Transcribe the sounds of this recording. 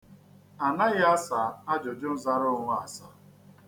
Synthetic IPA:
a˨na˦ɣɪ˦a˦sa˨a˦d͡ʒo˨d͡ʒʊ˦n̩˦za˦ɾʊ˦˨ŋʷʊ˦a˨sa˦

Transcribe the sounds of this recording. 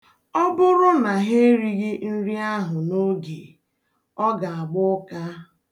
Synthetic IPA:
ɔ˦bʊ˦ɾʊ˦na˨ɦe˦ɾi˦ɣi˦n̩˦ɾi˦a˦ɦʊ˨no˦ɡḛ˨ | ɔ˦ɡa˨a˨ɡ͡bʊ˦ka˦

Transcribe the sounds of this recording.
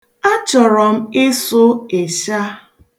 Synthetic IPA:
a˦t͡ʃɔ˨ɾɔ˨m̩˦ɪ˦sʊ˦e˨ʃa˦

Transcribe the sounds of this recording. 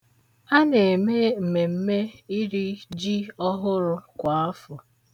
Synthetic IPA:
a˦ne˨me˦m̩˨me˨m̩˦me˦i˦ɾi˦d͡ʒi˦ɔ˦ɦʊ˦ɾʊ˦kʷa˨a˦fʊ˨

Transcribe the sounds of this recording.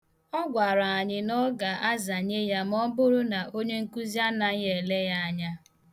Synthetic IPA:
ɔ˦ɡʷa˨ɾa˨a˨ɲɪ˦nɔ˦ɡa˨ʔa˦za˨ɲe˦ja˦m˦ɔ˦bʊ˦ɾʊ˦na˨ʔo˦ɲe˦ŋ̩˦ku˦zja˦na˨˦e˨le˦ja˦a˦ɲa˦

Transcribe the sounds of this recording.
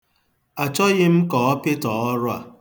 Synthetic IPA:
a˨t͡ʃɔ˦ɣɪ˦m̩˦kɔ˨ɔ˦pɪ˦tɔ˨ɔ˦ɾʊ˦a̰˨

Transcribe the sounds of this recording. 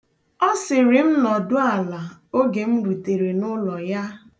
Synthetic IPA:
ɔ˦sɪ˨ɾɪ˨m̩˦nɔ˨dʊ˦a˨la˨o˦ɡe˨m̩˦bu˨te˨ɾe˨nʊ˦lɔ˨ja˦

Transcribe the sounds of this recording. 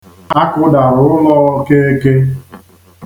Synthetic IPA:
a˦kʊ˦da˨ɾʊ˨ʊ˦lɔ˦ke˦e˦ke˦

